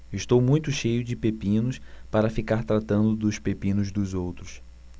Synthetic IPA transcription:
ɪʃt̪owmũj̃t̪ʊʃejʊd͡ʒɪpepĩnʊspaɾɐfikaɾt̪ɾat̪ɐ̃nd̪ʊd̪ʊspepĩnʊzd̪ʊzowt̪ɾʊs

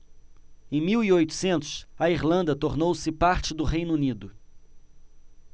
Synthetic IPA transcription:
ẽj̃miwiojt̪ʊ̥sẽnt̪ʊ̥sɐiɾlɐ̃nd̪ɐt̪oɾnowsɪpaɾt͡ʃɪd̪ʊɦejnunid̪ʊ

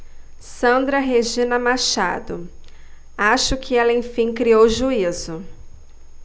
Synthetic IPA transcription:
sɐ̃nd̪ɾɐɦeʒĩnɐmaʃa̰d̪ʊ | aʃʊkʰɪɛlɐẽj̃fĩj̃kɾiowʒuizʊ

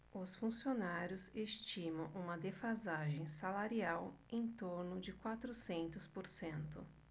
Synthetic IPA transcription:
ʊsfũsionaɾjʊzest͡ʃimɐ̃w̃ʔũmɐd̪efazaʒẽj̃salaɾiawẽj̃t̪oɾnʊd͡ʒɪkwat̪ɾʊsẽnt̪ʊspoɾsẽnt̪ʊ̰

